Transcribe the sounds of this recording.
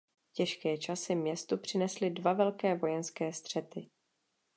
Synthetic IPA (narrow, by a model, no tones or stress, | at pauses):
cɛʃkɛːt͡ʃasɪmɲɛst̪upr̝̥ɪnɛslɪdvavɛlkɛːvo̞jɛnskɛːst̪r̝̥ɛt̪ɪ